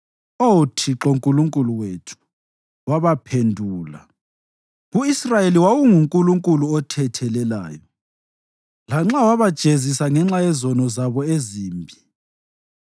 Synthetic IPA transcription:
otʰiǁoŋkʼuluŋkʼuluwetʰu̥ | waβapʰendʱuːla̰ | ɣuisrajeliwawuŋuŋkʼuluŋkʼuluɔtʰɛtʰɛlɛla̰ːjɔ | laŋ͡ǁawaβad̥ʒ̥ʱezisaŋɛŋ͡ǁajɛzɔnɔzaβɔeziːmbʱi

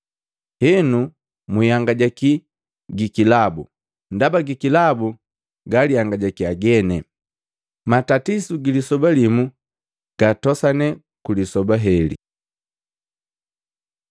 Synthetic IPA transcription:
hɛnu | mujaŋɡaɟaki | ɡikilabṵ | ndabaɡikilabu | ɡalijaŋɡaɟakiaɡɛnɛ | matatisuɡilisɔbalimu | ɡ̥atɔsanɛ | kulisɔbaɦɛlḭ

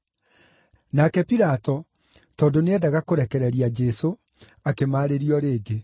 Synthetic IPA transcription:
nakɛpiɾatɔ | tɔːndoneɛdaɣakoɾɛkɛɾɛɾiad͡ʒɛso | akemaːɾeɾiɔɾeːɡe

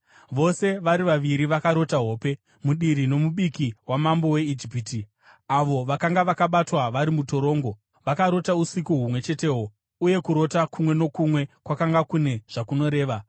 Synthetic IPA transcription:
ʋo̞se̞ʋaɾiʋaʋiɾiʋakaɾo̞taɦo̞ːpe̞ | muɗiɾino̞muɓikiwamambo̞we̞id͡ʒipiːti | aʋo̞ʋakaŋɡaʋakaɓatwaʋaɾimuto̞ɾo̞ːŋɡo̞ | ʋakaɾo̞tausikuɦumwe̞t͡ʃe̞te̞ːɦo | uje̞kuɾo̞takumwe̞no̞kumwe̞kwakaŋɡakune̞ʐ̥akuno̞ɾe̞ːʋa

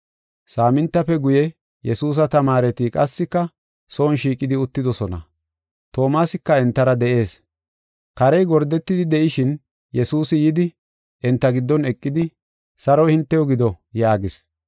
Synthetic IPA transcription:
saːmɪnt̪ːɐfɛɡʊjɛ | jɛsuːs̬ɐt̪ɐmaːɾɛt̪ikʼɐsːɪkːɐ | soːnʃiːkʼɪd̪ɪʊt̪ːɪd̪ɔsɔnɐ̰ | t̪o̞ːmaːsɪkːɐɛnt̪ːɐɾɐd̪ɛʔe̞ːs | kɐɾɛjɡɔɾd̪ɛt̪ːɪd̪ɪd̪ɛʔɪʃɪn | jɛsuːsɪjɪd̪ɪ | ʔɛnt̪ːɐɡɪd̪ːɔnɛkʼːɪd̪ɪ | sɐɾɔhɪnt̪ːɛjɔɡɪd̪ɔjaːɡɪs

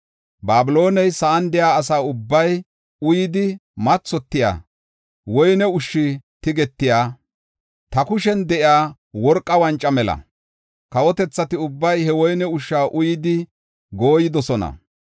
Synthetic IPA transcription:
baːbɪlo̞ːnɛjsaːnd̪ɪjaːs̬aːʊbːɐj | ʊjɪd̪ɪmɐt͡sːɔt̪ːɪja̰ː | wɔjnɛʊʃːɪt̪ɪɡɛt̪ːɪjaː | t̪ɐkʊʃɛnd̪ɛʔjɪaː | wɔɾkʼːɐwɐnt͡ʃʼːɐmɛlɐ̰ | kɐwɔt̪ɛt͡sːɐt̪ɪʊbːɐjhɛwɔjnɛʊʃːaːʔʊjɪd̪ɪ | ɡoːjɪd̪ɔsɔnɐ̰

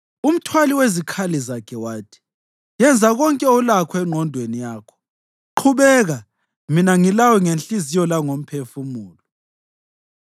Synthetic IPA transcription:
um̩tʰwaliwezikʰalizakʰɛwaːtʰi̥ | jɛnd͡zʱaɣɔŋkʼɛɔlakʰɔɛŋ͡ǃʱɔndʱwenijaːkʰɔ̥ | ǃʰuβɛːɣa | minaŋilawɔŋenɬʼizijɔlaŋom̩pʰefumuːlɔ

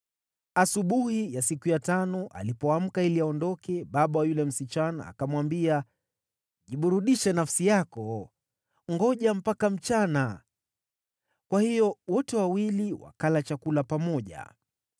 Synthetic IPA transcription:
asuɓuhijasikujatanɔʔa̰lipɔam̩kailiaɔndɔkɛɓaɓawajulɛm̩sit͡ʃana̰ːkamwambia | ʄiɓuɾuɗiʃɛnafsijakɔ | ŋɡɔʄam̩pakam̩t͡ʃana | kwahijɔwɔtɛwawiliwa̰kalat͡ʃakulapamɔʄa̰

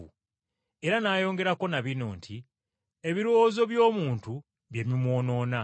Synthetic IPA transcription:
u | e̞ɾanaːjo̞ːŋɡe̞ɾako̞naβino̞̰ːntʰi | e̞βiɾoːzo̞βjo̞ːmuːntu | βje̞mimwo̞ːno̞ːna

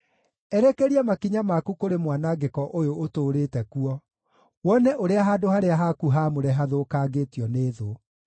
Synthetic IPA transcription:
ɛɾɛkeɾiɛmakiɲamakukoɾemwanaɡekɔʔojootoːɾeːtɛkuɔ | wɔnɛʔoɾeaɦaːdohaɾeaɦakuɦamoɾɛɦaðokaːɡetiɔneːðo

